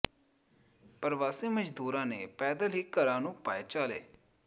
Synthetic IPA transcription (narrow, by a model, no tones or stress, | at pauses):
pəɾʋaːsiːməd͡ʒd̪uːɾãːneːpɛːd̪əlɦɪkːəɾãːnũːpaːeːt͡ʃaːlḛː